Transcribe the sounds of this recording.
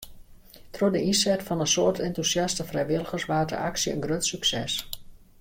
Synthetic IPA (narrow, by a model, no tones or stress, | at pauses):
trodəʔinsɛtfɑnənsoərtʰɛntusjɑstəfrɛjʋɪlˠəɣərsʋaːdə̰ʔaksiənɡrøtsyksɛs